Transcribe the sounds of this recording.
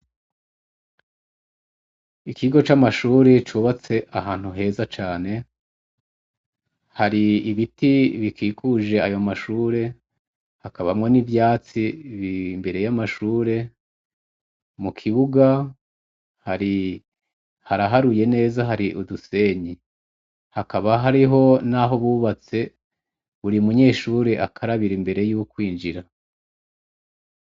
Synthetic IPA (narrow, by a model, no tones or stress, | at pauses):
ikʰiɡo̞t͡ʃamaʃuːɾe̞t͡ʃuβat͡se̞ʔaɦaːn̥huɦe̞ːzat͡ʃaːne̞ | haɾiːβitiβikiːkʰuʒe̞ajo̞maʃuːɾe̞ | hakaβamŋo̞nivjaːt͡siβimbe̞ɾe̞jamaʃuːɾe̞ | mukʰiβuɡa | haɾi | haɾaɦaɾuje̞ne̞ːzaɦaɾiʔuduse̞ɲi | hakaβaɦaɾiɦo̞naɦo̞βuːβat͡se̞ | βuɾiumuɲe̞ːʃuːɾeʔakʰaɾaβiɾimbe̞ɾe̞juːkwiːnd͡ʒiɾa